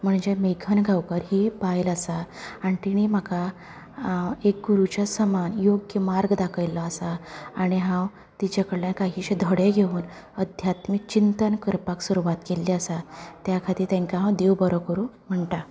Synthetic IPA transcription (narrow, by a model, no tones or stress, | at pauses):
m̤əɳd͡ʑemekʰənɡʱawkəɾɦipajləsaːɽ̃it̪iɽ̃im̤aka | ek̚ɡuɾut͡ɕjasəmanjoɡjəmaɾɡd̪akʰəjlːɔəsaːɽ̃iɦãw | t̪it͡ɕakəɽljankaɦiɕed̪ʱəɽeɡʱeuːn | əd̪ʱjat̪mit͡ɕint̪ənkəɾpaksuɾuʋat̪kelːiasat̪jakʰat̪iːɾt̪ãŋkaɦãwd̪ewbəɾəkəɾuː | m̤əɳʈ̪a